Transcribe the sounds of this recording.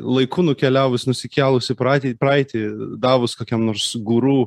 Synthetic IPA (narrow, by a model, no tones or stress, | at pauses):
lˠɐɪkuːnʊkʲɛlʲæːʋʊsʲnʊsʲɪkʲæːlˠʊsʲɪpɾɑːt̪ʲiːpɾɐɪt̪ʲɪd̪ɑːʋʊskoːkʲɛmnoːrɾsɡuːɾuː